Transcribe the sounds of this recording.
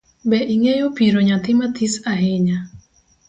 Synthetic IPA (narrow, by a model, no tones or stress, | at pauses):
bɛʔiŋejopiɾoɲat̪ɪmat̪ʰisaɦeɲa